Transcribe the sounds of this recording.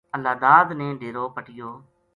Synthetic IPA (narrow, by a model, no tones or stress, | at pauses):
əlaːd̪aːd̪nẽːɖʱeːɾoːpəʈɪjoː